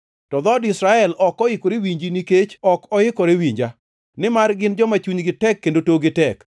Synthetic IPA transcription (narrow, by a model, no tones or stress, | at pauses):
tɔd̪ɔdɪsɾaɛlɔkɔɪkoɾewiɲd͡ʒiniket͡ʃɔkɔɪkɔɾewiɲd͡ʒa | nɪmarɡɪnd͡ʒɔmat͡ʃuɲɡɪtɛkːendotoɡɪtɛk